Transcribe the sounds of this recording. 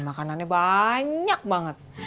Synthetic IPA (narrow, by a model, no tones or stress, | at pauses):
makananɲabaɲak̚baŋət̪̚